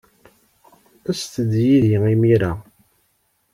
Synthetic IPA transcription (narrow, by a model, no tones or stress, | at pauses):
æst̪əd̪jiðiimiɾa